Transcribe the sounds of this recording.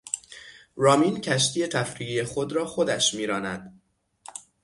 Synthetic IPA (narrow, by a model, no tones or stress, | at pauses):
rɒːmincʰæʃ̬t̪ʰiːje̞t̪ʰæfɾiːɣijexo̞d̪ɾɒːxod̪æʃmiːɾɒːnæd̪̥